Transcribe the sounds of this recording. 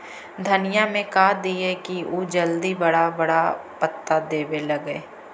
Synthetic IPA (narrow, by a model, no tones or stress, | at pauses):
d̪ʱɐnɪjamẽkaːd̪iekioːd͡ʒəld̪ibɐɽabɐɽapət̪ːad̪eːbelɐɡeː